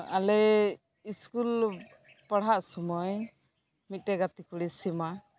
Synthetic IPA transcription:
alɛ | iskul | paɽ̤ɦaʔsɔmɔj | mit̪̚ʈɛɡat̪ikuɽisima

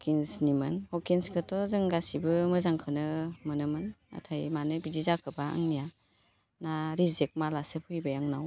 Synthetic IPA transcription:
kʰinsnimɯnhɔkinskʰɯtʰɔzɯŋɡasibɯmɯzaŋkʰɯnɯmɯnɯmɯna̰tʰajmanɯbizizakʰɯbaɯ̰ŋnija | naɾizek̚malasɯpʰɯjbajaŋnaw

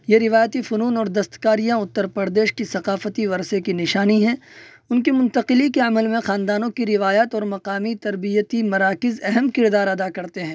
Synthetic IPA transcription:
jeɾɪʋaːjət̪ifʊnuːnɔːɾd̪ɐst̪kaːɾijãʊt̪ːəɾpɐɾd̪eːʃkisɐqaːfət̪iʋɐɾsekinɪʃaːniɦɛ̃ː | ʊnkimʊ̃nt̪əqɪlikeɐməlmẽxaːnd̪aːnõkiɾɪʋaːjat̪ɔːɾmɐqaːmit̪ɐɾbijət̪imɐɾaːkɪzɛɦɛmkɪɾd̪aːɾɐd̪akɐɾt̪eɦɛ̃ː

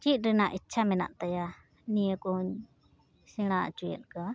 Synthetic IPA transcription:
t͡ʃit̪̚ˀɾɛnaʔitːt͡ʃʰamɛna̰ʔt̪aja | nijɛkɔhuɲ | sɛɽ̃at͡ʃujɛ̰t̪̚ka

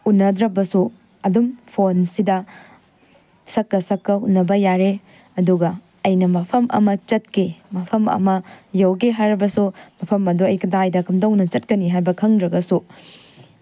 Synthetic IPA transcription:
unːɐdɾɐbɐsu | ɐdumpʰonsidɐ | sɐkːɐsɐkːɐunːɐbɐjaɾe | ɐduɡɐː | jnɐmɐpʰɐmʔɐ̰mɐt͡ʃɐt̚kemɐpʰɐmɐ̰mɐjɐwɡeɦajɾɐbɐsumɐpʰɐmɐduɐjkʰɐdajdɐkʰumdɐwnɐt͡ʃɐt̚kɐniɦajbɐkʰɐŋdɾɐɡɐsu

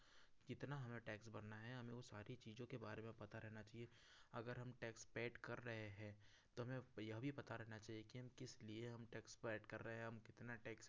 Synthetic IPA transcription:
d͡ʒɪt̪naɦɐmẽʈɛːksbɐɾnaɦɛɦɐmẽʋosaːɾit͡ʃiːzõkebaːɾemẽpɐt̪aɾɛɦnat͡ʃaːɦie | ɐɡəɾɦɐmʈɛːkspɛːɖkɐɾːɐɦeɦɛ̃ː | t̪oɦɐmẽjɐɦbʱipɐt̪aɾɛɦnat͡ʃaːɦiekiɦɐmkɪslieɦɐmʈɛːkspɛːɖkɐɾːɐɦeɦɛ̃ɦɐmkɪt̪naʈɛːks

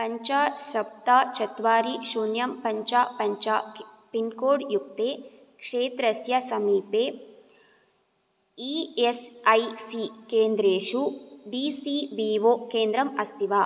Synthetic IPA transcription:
pɐɲt͡ʃaːsɐp̚t̪aːt͡ʃɐt̪ʋaːɾiʃuːnjɐmpɐɲt͡ʃaːpɐɲt͡ʃaːpinkoːɽjuk̚t̪eː | kʂeːt̪ɾɐsjɐsɐmiːpeː | iːesɐjsikeːnd̪ɾeːʂuɖiːsiːʋiːʋoːkeːnd̪ɾɐmɐst̪iʋaː

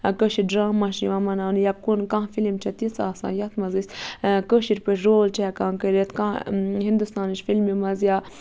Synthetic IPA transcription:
kəʃiɖɾaːmːaʃiʋamɐnaːnjap̚kunkãːfilimt͡ʃʰɛt̪it͡saːsa̰ːjat̪mɐzisʲkəʃiɾpəɾoːlt͡ʃɛɛkãːnkəɾet̪kãɦind̪ust̪aːniʃfilmimɐzja

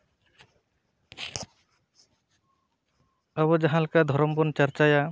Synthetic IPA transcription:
aβɔd͡ʒaɦãlkad̪ʱɔɾɔmbɔnt͡ʃaɾt͡ʃaja

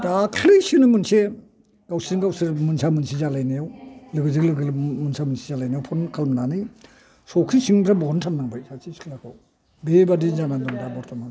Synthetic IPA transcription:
dakʰlɯjsinɯmɯnse | ɡawsiŋɡawsɯɾmunsamɯnsizalajnajawlɯɡɯzɯklɯɡɯmunsamɯnsizalajnajawpʰɔnkʰalmnani | sɔkʰisiŋbɾabɔntʰamnaŋbajsasiskʰlakʰɔw | bebadizanandɔŋdabɔɾtʰɔman

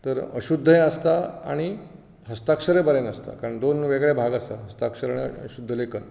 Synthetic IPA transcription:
t̪əɾəɕud̪ʱːəjẽəst̪aa̰ɽ̃i | ɦəst̪akʂəɾebəɾenəst̪a̰kaɾəɳd̪onʋeɡɭjebʱaɡəst̪a̰ɦəst̪akʂəɾaɽ̃iə̰ɕud̪ʱːəlekən

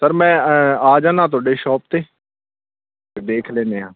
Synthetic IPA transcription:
səɾmɛ̃ːaːd͡ʒaːnãːt̪̬ʊaːɖeːʃɔːp̚t̪eː | d̪eːkʰlɛːneːɦãː

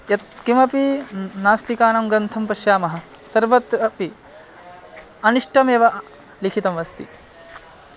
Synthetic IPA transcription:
jɐt̪kimɐpinaːst̪ikaːnɐmɡɾɐnt̪ʰɐmpɐʃjaːmɐɦɐ̆ | sɐɾʋɐt̪ɾɐpi | ɐniʂʈʰɐmeːʋɐ | likʰit̪ɐmʋɐst̪ḭ

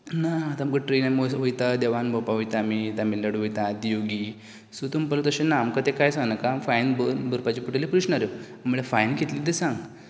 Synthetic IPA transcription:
nat̪amkəʈɾinamoɦojt̪ad̪eʋanbopaɦojt̪amit̪amilːəɽɦojt̪ad̪ijoɡiː | sut̪umpələt̪əɕẽnaːmkat̪ekajsãŋnakaːmfajnbəbəɾpat͡ɕipuʈelipɾuʂnaɾjo | m̤uɭefajnkʰit̪lit̪̬esãŋɡ

